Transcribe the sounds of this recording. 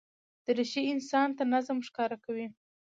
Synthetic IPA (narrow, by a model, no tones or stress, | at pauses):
d̪̥əɾɪʃiɪnsɑnt̪anazmʂkɑɾakawi